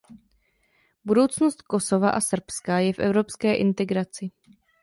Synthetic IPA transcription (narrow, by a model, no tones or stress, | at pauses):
budo̞wt͡snost̪̚ko̞so̞vaʔasr̩pskajɛfʔɛ̰vɾo̞pskɛːʔɪnt̪ɛɡɾat͡sɪ